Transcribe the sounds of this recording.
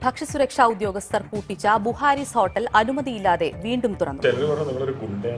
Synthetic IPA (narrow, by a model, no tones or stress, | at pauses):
bʱɐkʂɐsuɾɐkʂaːud̪jo̞ːɡɐst̪ɐrpuːʈːit͡ɕːɐbuhaːɾiso̞ːʈːɐlɐnumɐðijilːaːðe̞ʋiːɳɖumt̪urɐnːṵt͡ɕilɐɾuʋɐɳɐmnimːɐɭoɾuɡuɳɖe